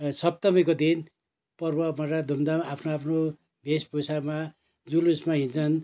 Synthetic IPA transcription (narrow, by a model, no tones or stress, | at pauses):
sʌp̚t̪ʌmʌjkod̪in | pʌrbʌmʌʈad̪ʱumd̪aapʰnoapʰno | bʱespusama | d͡zulusmaɦint͡sʰʌn